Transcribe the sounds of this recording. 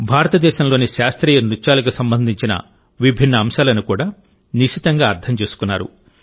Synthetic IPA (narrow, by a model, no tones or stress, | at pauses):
bʱaːɾɐt̪ɐd̪ɛːʃɐmlo̞ːniʃaːst̪ɾiːjɐnut͡ʃːaːlɐk̬usɐmbɐnd̪ʱiɲt͡ʃinɐ̰ | ʋibʱinːɐːmʃaːlɐnukuːɽaː | niʃit̪ɐŋɡaːɐɾt̪ʰɐmt͡ʃe̞ːsu̥kunːa̰ːɾṵ